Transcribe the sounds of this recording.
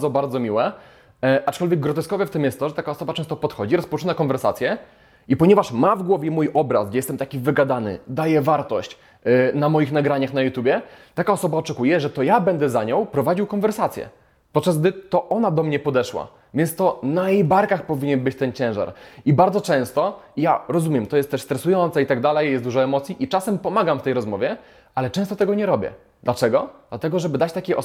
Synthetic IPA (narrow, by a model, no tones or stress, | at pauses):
zɔbaɾd̪zɔmʲiwɛ | ʔat͡ʂkɔlvʲjɛɡ̚ːɾɔt̪ɛskɔvɛft̪ɘmjɛst̪t̪ːɔʐɛt̪akaɔsɔbatɛ̃ñst̪ɔpɔt̪xɔd͡ʑiɾɔspɔt͡ʂɨnakɔnvɛɾsat̪sʲjɛ | ipɔɲɛvaʂmavɡwɔvʲjɛmujʔɔbɾa̰sɡd͡ʑɛjɛst̪ɛmt̪akʲivɘɡad̪anɘ̰d̪ajɛvaɾt̪ɔɕt͡ɕ | namɔjixnaɡɾaɲaxnajut̪jubʲjɛt̪akaɔsɔbaɔt͡ʂɛkujɛʐɛt̪ɔjabɛnd̪ɛzaɲɔ̃wpɾɔvad͡ʑiwkɔnvɛɾsat̪sʲjɛ̰ | pɔt̪̚t͡ʂːazɡ̚d̪ɘt̪ɔʔɔnad̪ɔmɲɛpɔd̪ɛʂwa̰ | vʲjɛnt̪st̪ɔnajejbaɾkaxpɔvʲiɲɛnbɘt͡ɕt̪ɛnt͡ɕɛ̃ʐa̰ɾibaɾd̪zɔt͡ʂɛ̃w̃st̪ɔijaɾɔzumʲjɛmt̪ɔjɛst̪ːɛʂst̪ɾɛsujɔnt̪sɛit̪aɡd̪alɛjjɛst̪d̪uʐɔɛmɔt̪sʲjiʔit͡ʂasɛmpɔmaɡamft̪ɛjɾɔzmɔvʲjɛ | alɛt͡ʂɛ̃st̪ɔt̪ɛɡɔɲɛɾɔbʲjɛ̰ | d̪lat͡ʂɛɡɔd̪̥lat̪ɛɡɔʐɛbɘd̪at͡ɕt̪akʲejʔɔ